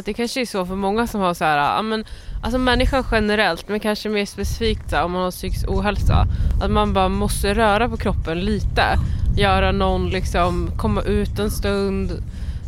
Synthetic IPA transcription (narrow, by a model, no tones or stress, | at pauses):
t̪̚d̪ɛkʰanʂəɛsɔfœɾmɔŋːasɔmhaʂhæːɾa̰ʔa̰ːmɛnʔalsɔmɛnːɪɧanɧɛnəɾɛlt̪mɛnkʰanʂəmeːʂpɛsɪ̥fiːk̚t̪sæɾɔmːanhaʂʏksuːɦɛlsa̰ʔat̪manbɑːɾamɔst̪əɾœːɾapɔkʰɾɔpːənliːt̪əjœːɾanɔnːlɪksɔmkʰɔmːaʔʉ̟ːt̪ɛnst̪ɵnd̪